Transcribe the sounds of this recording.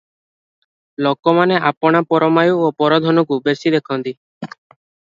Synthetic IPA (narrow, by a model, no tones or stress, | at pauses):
lokɔmaneʔapɔɽ̃apɔɾɔmajuopɔɾɔd̪ʱɔnɔk̬ubesid̪ekʰɔnt̪i